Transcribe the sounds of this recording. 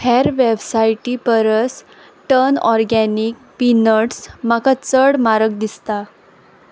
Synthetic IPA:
hʰɛɾʋebsajʈipəɾəs | ʈənɔɾɡɛnik̚ | pinəʈsmakat͡səɽmaɾək̚d̪ist̪a

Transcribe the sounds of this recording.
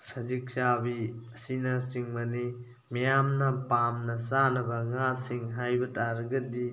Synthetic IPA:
sɐzik̚t͡ʃabiɐsinɐsiŋmɐni | mijamnɐpamnɐsanɐbɐŋasiŋɦajbɐtaɾɡɐdi

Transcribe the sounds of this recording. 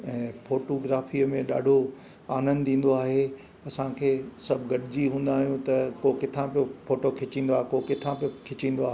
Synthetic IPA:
ɛ̃ːfoːʈoːɡɾaːfiːəmẽɗa̰ːɖʱo | aːnə̃nd̪ʱĩːn̆d̪oaːɦe | ɐsãkʰeːsɐbʱɡɐɗɪd͡ʑiɦũːn̆d̪aːɦijũt̪ɐkoːkɪt̪ʰãpijofoːʈokʰɪt͡ɕĩːn̆d̪oaːɦekoːkɪt̪ʰãpjokʰɪt͡ɕĩːnd̪oaːɦe

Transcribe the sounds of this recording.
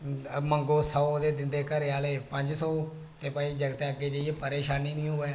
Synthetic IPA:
məŋɡoːsɔːd̪eːd̪ɪnd̪eːkəɾeaːleːpəɲd͡ʒsɔː | t̪eːpəiːd͡ʒəɡət̪eaɡeːd͡ʒeieːpəɾeːʃaːniːnĩːɦoːɛː

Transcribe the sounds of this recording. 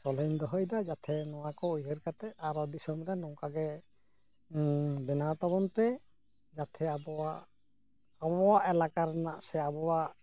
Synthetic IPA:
sɔlejnd̪ɔɦɔjd̪ad͡ʒat̪ʰɛnɔwakɔujɦəɾkat̪ɛaɾɔd̪isɔmɾɛnɔŋkaɡɛ | bɛnat̪abɔnt̪ɛ | d͡ʒat̪ʰɛabɔwa | abɔwaʔɛlakaɾnaʔsɛabɔwaʔ

